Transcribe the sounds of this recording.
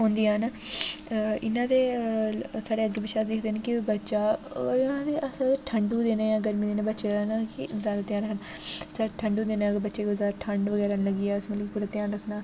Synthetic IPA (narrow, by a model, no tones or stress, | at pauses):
ɦõːnd̪iːənː | ɪnãːd̪eː | saːɽeːəɡːeːbəʃaːd̪ɪkʰd̪eːnːkɪbətːʃaːɪnãːd̪eːʔəsaʈʰəɳɖuːd̪eːnẽːjãːɡəɾmiːd̪eːnẽbətːʃeːnakɪzjaːd̪aːt̪ɪjãːɾəɦən | səɾʈʰəɳɖuːd̪eːnẽɡəɾbətːʃeːkoːzaːd̪aʈʰəɳɖʋəɡɛːɾaːnləɡiːɛːəsməlkikpuɾət̪ejãːɾəkʰnaː